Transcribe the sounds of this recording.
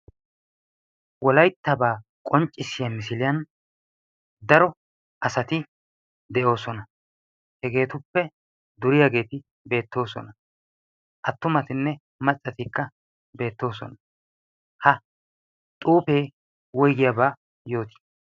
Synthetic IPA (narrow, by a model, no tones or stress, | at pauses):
wɔlɐjt̪ːɐbaː | kʼɔnt͡ʃʼːɪsːɪjɐmɪs̬ɪlɪjɐn | d̪ɐɾɔ | ʔɐsɐt̪ɪ | d̪ɛʔo̞ːsɔnɐ | hɛɡe̞ːt̪ʊpːɛ | d̪ʊɾɪjaɡe̞ːt̪ɪ | be̞ːt̪ːo̞ːsɔ̰nɐ | ʔɐt̪ːʊmɐt̪ɪnːɛ | mɐt͡sʼːɐt̪ɪkːɐ | be̞ːt̪ːo̞ːsɔ̰nɐ | hɐ | t̪ʼuːpe̞ː | wɔjɡɪjabaː | jo̞ːt̪ɪ̥